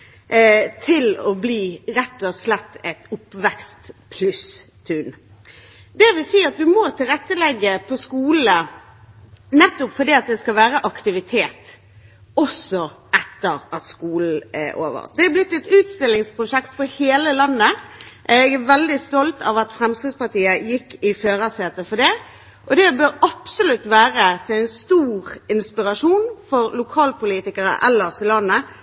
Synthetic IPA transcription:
t̪ʰɪlɔbliːɾɛt̪ːɔslɛt̪ːɛt̪ʊpːʋɛkst̪pʰlʉst̪ʰʉn | d̪ɛʋɪlsiːɑt̪̚d̪ʉmɔt̪ʰɪlɾɛt̪ːəlɛɡːəpʰɔskuːlə | nɛt̪ːʊpfɔd̪iːɑt̪̚d̪ɛskɑlʋæːɾəʔɑkt̪ɪʋɪt̪ʰeːt̪ | ɔsɔɛt̪ːəɾɑt̪skuːl̩ɛ̰ʔo̰ːʋə̰ʁd̪̥ɛæblɪt̪ːɛt̪ʉːt̪st̪ɪlːɪŋspʰʁʊʂɛkt̪fɔheːləlɑnːəʔɛɡæʋɛld̪ɪst̪ɔlt̪ɑ̰ʋɑt̪fɾɛmskɾɪd̪spɑɾt̪iːəjɪkːɪføːʁɑseːt̪əfɔɖ̪ɛ | ʔɔd̪ɛbøːɾɑpsʊlʉt̪ːʋæːɾət̪ʰɪlæɪnst̪uːʁɪnspɪɾɑʂuːnfɔɾlʊkʰɑːlpʊliːt̪ɪkəɾə̰ʔɛlːəsɪlɑnːə

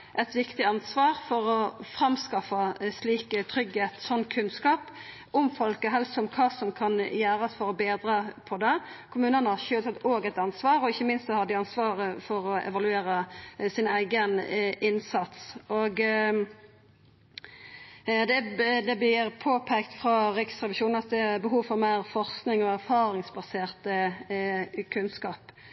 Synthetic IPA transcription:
ʔɛt̪ʋɪkt̪ɪɑnsʋɑːɾfɔɾɔfɾɑmskɑfɑsliːkət̪ʰɾʏɡheːt̪sɔnːkʰʉnskɑːp | ʔʊmfɔlkəɦɛlst̪ɔmkʰɑːsɔmkʰɑnjæːɾsfɔɾɔbeːd̪ɾɑpʰɔd̪ɛ | kʰʊmʉːnənəhɑʃøːlt̪ʰɑt̪ːoːɡɛt̪ɑnsʋɑːɾɔɪçːəmɪnst̪sɔhɑd̪ɪɑnsʋɑːɾəfɔɾɔɛ̰ʋɑlʉeːɾəsɪnæɪɡənɪnsɑt̪sɔɡ | d̪ɛd̪ɛblɪɾpʰoːpʰekt̪fʁɑɾɪksʁɛʋɪʃuːnn̩ɑt̪̚d̪ɛæbəɦuːʋfɔʁmæɪʁfɔʁsknɪŋɔæʁfɑːɾɪŋsbɑseːʁt̪ə | kʰʉnskɑːp

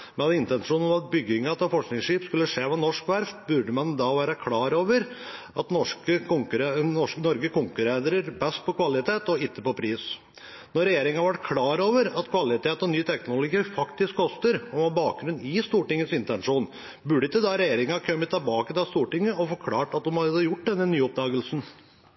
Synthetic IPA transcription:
mɛnɑd̪ɪnt̪ɛnʂuːnɔmɑt̪̚bʏɡɪŋɑt̪ɑfɔʂknɪŋsʂiːpskʉlːəʂeːʋɑnɔʂkʋæɾfbʉɖəmɑnd̪ɑːʋæːɾəkʰlɑːɾoːʋəɾʔɑt̪nɔʂkəʊŋkɾnɔʂknɔɾɡəkʰʊŋkʉɾæd̪ɾəɾbɛst̪̚pɔkʰʋɑlɪt̪ʰeːt̪ɔɪt̪ʰːəpɔpʰɾiːs | nɔɾɛjeːɾɪŋɑʋæʈkʰlɑːɾoːʋəɾɑt̪kʰʋɑlɪt̪ʰeːt̪ɔnyːt̪ʰɛknʊlʊɡiːfɑkt̪ɪskkʰːɔst̪əɾɔmɑːbɑːk̚ɡɾʉnɪst̪uːʈɪŋːəsɪnt̪ɛnʂuːn | bʉɖəɪt̪ːəd̪ɑɾɛjeːɾɪŋɑkʰœmət̪ʰːɑbɑːkəd̪ɑst̪uːʈɪŋːəɔfɔɾkʰlɑːʈɑt̪̚d̪ʊmhɑd̪d̪jʊʈ̚ːd̪ɛnːənyːɔp̚d̪ɑːɡəlsn̩

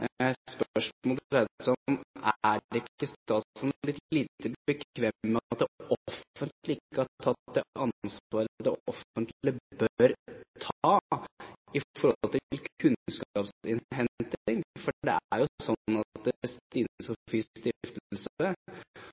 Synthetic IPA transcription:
spœʂmɔlt̪ɾɛd̪sɔæɛɪkːəst̪ɑːtsɔmlɪt̪liːt̪əbəkʰʋɛmːəɑtt̪̚d̪ɛʔɔɔfənt̪lɪɪkːəætt̪ʰːɑt̪ːd̪ɛɑnsʋɑːɾd̪ɛɔfənt̪lɪbœɾt̪ʰː | ɪfɔɾhɔt̪ɪlkʰʉnskɑːpsɪnɦɛnt̪ɪŋfɔɖɛ̰æ̰ɾjʊsɔnːɑt̪̚d̪ɛst̪iːnsɔfist̪ɪft̪l̩sə

